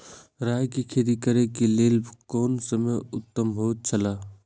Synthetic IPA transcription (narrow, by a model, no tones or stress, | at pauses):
ɾaːjkikʰeːd̪ikəɾekeleːlkoːnsəmejʊt̪ːəmbʱoːt̪̚t͡ʃʰəlaː